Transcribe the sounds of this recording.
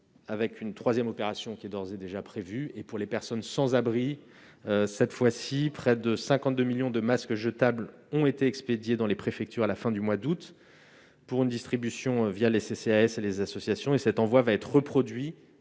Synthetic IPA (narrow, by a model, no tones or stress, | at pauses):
avɛkʲʰynt̪χwazjɛmɔpeʁasjɔ̃kʲiɛd̪ɔʁzed̪eʒapχevyepuʁlepɛʁsɔnsɑ̃zabʁi | øsɛt̪fwasipχɛd̪əsɛ̃kɑ̃t̪̚d̪ømiljɔ̃d̪əmaskʒət̪abl | ɔ̃et̪eɛksped̪jed̪ɑ̃lepχefɛk̚t̪yʁalafɛ̃d̪ymwad̪ut̪ | puʁynd̪ist̪χibysjɔ̃vjaleseseaɛselezasɔsjasjɔ̃esɛt̪ɑ̃vwavaɛt̪χʁəpχɔd̪ɥi